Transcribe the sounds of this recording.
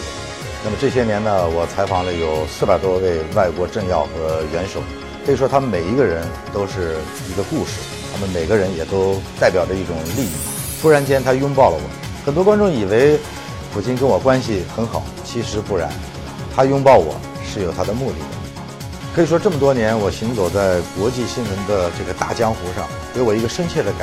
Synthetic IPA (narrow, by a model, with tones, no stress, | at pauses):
na˥˩mə˩ʈ͡ʂɤ˥˩ɕ̬jɛ˥njɛ˧˥nə˧wɔ˨˩t͡sʰa˧˥ɪfɑ˨˩ŋlə˦jo˨˩ʊsɹ̩˥˩pa˨˩ɪt̪wɔ˥we˥˧ɪwa˥˩ɪkwɔ˧˥ʈ͡ʂɤ˥˧ŋjɑ̰˥˩ʊxɤ˧˥ɥɛ˧˥nʂo˨˦ʊ | kʰɤ˧˥i˨˩ʂwɔ˥t̪ʰa˥mə˨nme˨˩ɪi˧˥ɡə˧ɻə˧˥n | t̪o˥ʊʂɻ̩˥˩ | i˧˥ɡə˧ku˥˧ʂɻ̩˥˩ | t̪ʰa˥mə˨nme˨˩ɪɡə˧˦ɻə˧˥njɛ˨˩t̪o˥ʊt̪a˥˩ɪpjɑ˨˩ʊdə˦i˥˩ʈ͡ʂʊ˨˩ŋli˥˧ḭ˥˩t̪ʰu˥ɻa˧˥nt͡ɕjɛ˥nt̪ʰa˥jʊ˥ŋpɑ˥˩ʊlə̰˩wɔ̰˨˩˦ | xə˨˩nt̪wkwa˥nʈ͡ʂʊ˥˩ŋi˨˩we˧˥ɪ | pʰu˨˩t͡ɕi˥nkə˥nwɔ˨˩kwa˥nɕi˨xə˧˥nxɑ˨˩˦ʊt͡ɕʰi˧˥ʂɻ̩˧˥pu˥˩ɻa̰˧˥n | t̪ʰa˥jʊ˥ŋpɑ˥˩ʊwɔ̰˨˩˦ | ʂɻ̩˥˩jo˨˩t̪ʰa˥d̪ə˨mu˥˧t̪ḭ˥˩d̪ə̰˩ | kʰɤ˧˥i˨˩ʂ̬wɔ˥ʈ͡ʂɤ˥˩mə˩t̪wɔ˥njɛ˧˥nwɔ˨˩ɕi˧˥ŋt͡so˨˩ʊt͡sa˥˩ɪkwɔ˧˥t͡ɕi˥˧ɕi˥nwə˧˥nd̪ə˧ʈ͡ʂɤ˥˩ɡə˩t̪a̰˥˩t͡ɕjɑ˥ŋxu˧˥ʂɑ̰˥˩ŋke˧˥ɪwɔ˨˩i˧˥ɡə˧ʂə˥nt͡ɕʰjɛ˥˩d̪ə˩ka˨˩